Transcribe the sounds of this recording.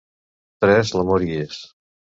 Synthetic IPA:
t̪ɾɛzləmoɾies

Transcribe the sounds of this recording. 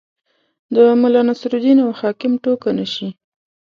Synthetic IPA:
d̪əmʊlɑnasɾud̪inawhɑkɪmʈokanaʃi

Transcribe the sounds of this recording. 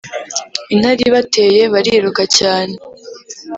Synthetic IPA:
in̥aɾiβate̞ːje̞βaɾiɾukacaːne̞

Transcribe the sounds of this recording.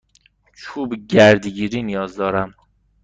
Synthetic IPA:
t͡ʃʰuːbɟæɾd̪iɟiːɾiːnijɒːzd̪ɒːɾæm

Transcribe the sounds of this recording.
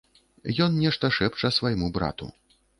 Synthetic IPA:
jɔnnʲɛʂt̪ɐʂɛpt͡ʂɐsvɐjmubɾa̰t̪ṵ

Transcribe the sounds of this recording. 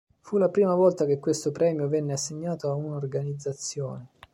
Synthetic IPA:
fulapɾiːmavɔlt̪ak̟ekːwest̪opɾɛːmjovɛnːeasːeɲːaːt̪oaunaorɡanid̪zːat̪sːjɔːne

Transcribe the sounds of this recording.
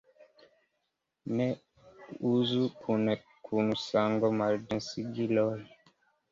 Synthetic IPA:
nɛ | uzukʰunɛ | kʰunusaŋɡɔmaɾdɛ̃siɡilɔl

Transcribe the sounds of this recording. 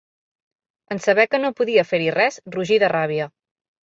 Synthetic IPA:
ənsəβɛkənopuðiəfeɾirɛsruʒiðəraβiə

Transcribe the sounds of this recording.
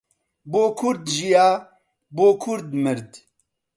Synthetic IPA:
boːkʰʊɾd̪ʒijaː | boːkʰʊɾd̪mɨɾd̪

